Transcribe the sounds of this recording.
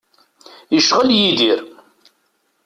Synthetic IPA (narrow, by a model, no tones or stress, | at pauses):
jəʃʁəljid̪iɾ